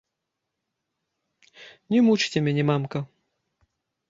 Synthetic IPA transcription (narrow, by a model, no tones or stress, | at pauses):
nʲɛmut͡ʂt͡sʲɛmʲɛnʲɛmamkɐ